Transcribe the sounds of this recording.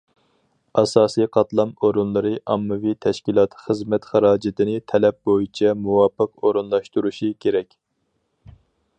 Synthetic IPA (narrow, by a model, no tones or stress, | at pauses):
ɑsɑːsijqʰɑt̪lˠɑmoɾunlˠɨɾɨʔɑmːɨvit̪ʰɛʃkʲilˠɑt̪ʰχəzmɛt̪χɑɾɑːd͡ʒɪt̪ɪnɪt̪ʰɛlɛp̚bojit͡ʃʰɛmuwɑːpːəqoɾunlˠɑʃt̪uɾuʃikʲʰeɾɛkʲ